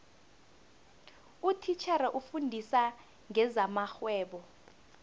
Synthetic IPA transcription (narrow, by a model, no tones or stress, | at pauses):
utʰit͡ʃʰɛɾɛʔufundʱisa | ŋɛzamaxwɛːɓɔ